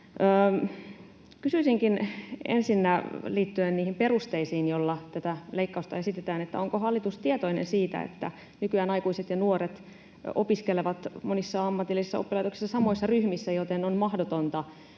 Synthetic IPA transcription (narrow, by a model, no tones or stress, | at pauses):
əː | kysyisiŋkinḛnsinːæliːt̪ːyenniːhimperust̪eisiːnjolːɑt̪æt̪æleikːɑust̪ɑesit̪et̪æːnet̪ːæ̰oŋkohɑlːit̪ust̪iet̪oinḛnsiːt̪æ̰ḛt̪ːæ̰ | nykyæːnɑijkuiset̪jɑnuoret̪ | o̰piskeleʋɑt̪monisːɑɑmːɑt̪ilːˑisisːɑ̰opːilɑjt̪oksi̥sːɑsɑmoisːɑryhmisːæjot̪enonmɑhdot̪ont̪ɑ